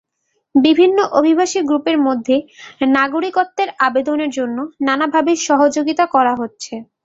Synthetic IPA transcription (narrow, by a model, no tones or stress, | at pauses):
bibʱinːoʔobʱibʱaʃiɡɾupeɾmod̪ʱːenaɡoɾikot̪ːeɾabed̪oneɾd͡ʑonːonanabʱabeʃɔɦod͡ʑoɡit̪akɔɾaɦotːɕʰe